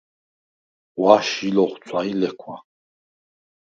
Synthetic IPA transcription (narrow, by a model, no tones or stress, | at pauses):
waʃilɔχt͡sʰʼailɛkʰwa